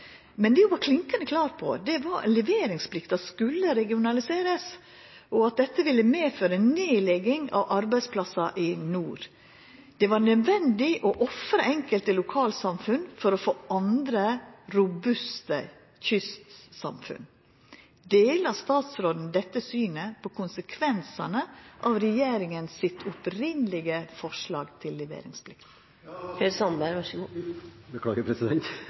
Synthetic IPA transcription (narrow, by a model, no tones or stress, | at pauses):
mɛnd̪ɛjʊbɑːɾkʰlɪŋkənəkʰlɑːɾpʰɔ̰d̪ɛʋɑɾɛ̰nlɛʋeːɾɪŋspʰlɪkt̪ɑskʉlːəɾɛɡɪʊnɑlɪseːɾəs | ɔɑt̪̚d̪ɛt̪ːəʋɪlːəmeːføːɾɛnneːlɛɡɪŋɑ̰ʋʔɑɾbæɪspʰlɑsɑʔɪnuːɾ | d̪̥ɛʋɑɾnœd̪ʋɛnd̪ɪʔɔʔɔfɾəʔɛŋkəlt̪əlʊkʰɑːlsɑmfʉnfɔɾɔfoːʔɑnd̪ɾəɾʊbʉst̪ə | çʏst̪sɑ̰mfʉ̰n | d̪eːlɑst̪ɑːt̪sɾoːd̪n̩d̪ɛt̪ːəsyːnəpʰokʰʊnsəkʰʋɛnsɑnəʔɑʋɾɛjeːɾɪŋənsɪt̪ʰʊpɾɪnəlɪɡəfɔʂlɑːɡt̪ʰɪlːɛʋḛːɾɪŋsbʰlɪkt̪ | heɾsɑnbæɾʋɑʂ | bəkʰlɑːɡəpʰɾɛsɪd̪ɛnt̪